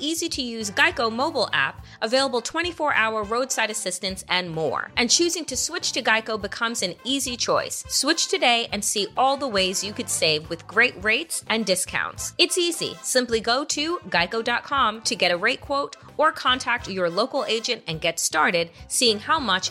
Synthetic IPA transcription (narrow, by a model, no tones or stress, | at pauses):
iziɾɨjʉzɡaɪkoʊmoʊbl̩ˠæ̰p | ʔəveɪlˠəbl̩ˠtʰw̥ɛ̃ɾ̃ifɔɹʔaʊə˞ɹoʊd̥saɪɾɨsɪstɨ̃ntsɨ̃nmɔ̰ɹʔɨ̃nt͡ʃʰʉzɪ̃ŋtʰɨswɪt͡ʃtʰɨɡaɪkoʊbɨkʰʌ̃mzɨ̃nizit͡ʃʰɔɪsːwɪt͡ʃtʰɨdeɪʔʔɨ̃nsiʔɔlˠðəweɪzjɨkɨd̥seɪvwɨðɡɹeɪt̚ɹeɪtsɨ̃ndɪskʰã̰ʊ̃ntsɨtsizḭsɪ̃mpliɡoʊɾɨɡaɪkoʊdɑt̚kʰɑ̃mtʰɨɡɛɾɨɹeɪt̚kʰw̥oʊɾ | ə˞kʰɑ̃ntʰæk̚tə˞loʊkl̩ˠeɪd͡ʒɨ̃ntɨ̃nɡɛtstɑɹɾɪd̥̚siɪ̃ŋhaʊmʌt͡ʃ